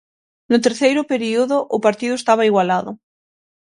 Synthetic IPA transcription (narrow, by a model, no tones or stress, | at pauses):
not̪eɾθejɾopeɾioðoʔopaɾt̪iðoest̪aβ̞aiɣwalaðo